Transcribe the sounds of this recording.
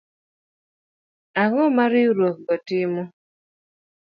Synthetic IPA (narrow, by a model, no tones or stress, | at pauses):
aŋɔmaɾiuɾok̚ɔtɪmɔ